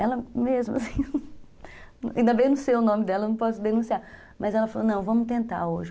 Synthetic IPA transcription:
ɛlɐmezmʊɐ̰sĩ | ĩd̪ɐbẽjnũseʊnõmɪd̪ɛlɐnɐ̃w̃pɔsʊd̪enũsia | mɐzɛlɐfalonɐ̃w̃vɐ̃mʊt̪ẽnt̪a̰ɾoʒɪ

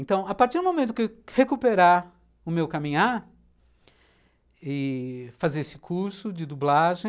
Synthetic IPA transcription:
ẽnt̪ɐ̃w̃apaɾtt͡ʃiɾd̪ʊmõmẽt̪̬ʊkewhekupeɾaɾ | ʊmewkamĩɲaɾ | ɪfazeɾesɪ̥kʰuɾsʊd͡ʒɪd̪ublaʒẽ

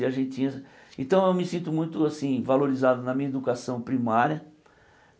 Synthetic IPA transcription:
iɐʒẽt͡ʃĩɐs | ḛ̃nt̪ɐ̃w̃ewmɪsĩnt̪ʊmũj̃t̪ʊasĩvaloɾizad̪ʊnɐmĩɐed̪ukasɐ̃w̃pɾimaɾjɐ

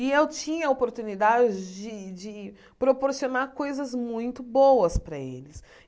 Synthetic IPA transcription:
ɪewt͡ʃĩɲɐopoɾt̪unid̪ad͡ʒɪd͡ʒɪd͡ʒɪ | pɾopoɾsionaɾkojzɐzmũj̃t̪ʊbowɐspɾɐḛlɪs

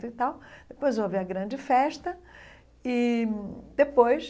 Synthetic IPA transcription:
t̪ʊit̪awd̪̥epojzoaviɐɡɾɐ̃d͡ʒɪfɛʃt̪ɐ | i | d̪epojs

